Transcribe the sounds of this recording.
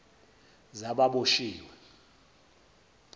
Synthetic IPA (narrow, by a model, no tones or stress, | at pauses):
zaɓaɓoʃiːwɛ